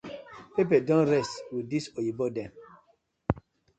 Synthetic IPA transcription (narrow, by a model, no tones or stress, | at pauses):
pep̬ɛdɔ̃nɹɛstwidisojibɔdɛ̃m